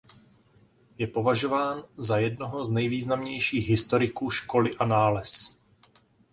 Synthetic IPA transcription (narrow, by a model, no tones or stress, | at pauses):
jɛpo̞vaʒo̞vaːnzajɛdnoɦoznɛjviːznamɲɛjʃiːɣɦɪst̪o̞ɾɪkuːʃkolɪʔanaːlɛs